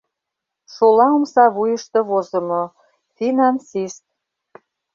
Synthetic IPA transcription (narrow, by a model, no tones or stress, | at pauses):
ʃolɑomsɑβujəʃt̪ĕβozə̆mo | finɑnsist̪̚